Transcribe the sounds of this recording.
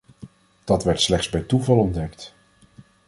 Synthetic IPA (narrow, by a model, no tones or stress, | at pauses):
d̥ɑtʋɛɹtslɛχtzbɛjtuvɑlˠɔndɛkt